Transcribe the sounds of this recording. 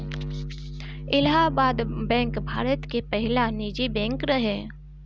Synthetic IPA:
ɪlɦabaːd̪bɛ̃ːŋkbʱaːɾət̪kepɛɦɪlaniːd͡ʒibɛ̃ːŋkɾəɦɛː

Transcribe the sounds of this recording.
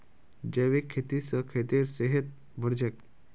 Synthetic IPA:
d͡ʑeʋekʰːet̪isəkʰet̪eɾseɦet̪̚ | bʱəɾd͡ʑek̚

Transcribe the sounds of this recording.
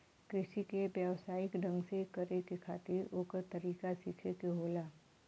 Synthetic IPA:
kɾɪʃikebjəʋsaːɪkɖə̃ŋɡsekɐɾekekʰa̰ːt̪ɪɾoːkəɾt̪ɐɾiːkasikʰekeɦoːlaː

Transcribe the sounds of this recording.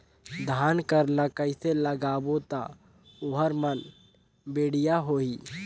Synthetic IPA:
d̪ʱaːnkəɾləkəɪseləɡaːbot̪a | ʊɦəɾmən | beːɽ̤ijaɦoi

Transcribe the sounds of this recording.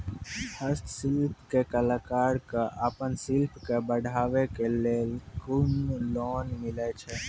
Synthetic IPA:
həst̪sɪlpʰkekəlaːkaːɾkaʔəpənsɪlpʰkebəɽʱaːʋekelekunloːnmɪlet͡ʃʰɛ

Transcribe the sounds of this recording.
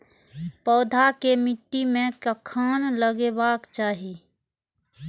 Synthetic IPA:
pɔːd̪ʱakemɪʈːimẽkəkʰːaːnləɡebaːkt͡ʃaːɦi

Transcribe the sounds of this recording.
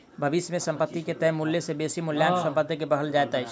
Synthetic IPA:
bʱəʋisjmẽsə̃mpət̪ːiket̪ɛɦmuljesebesimuljamsə̃mpəd̪ʱjəkebəɦəld͡ʒaet̪ət͡ʃʰ

